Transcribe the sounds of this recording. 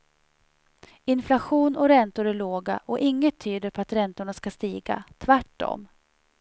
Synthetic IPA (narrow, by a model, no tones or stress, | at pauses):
ɪnflaɧuːnɔɾɛnt̪ʊɾæɭoːɡa̰ʔɔʔɪŋːət̪ʰːyːd̪əɾpʰɔat̪ɾɛnt̪ʊɳaskast̪iːɡa̰t̪ʰvæʈːɔ̰m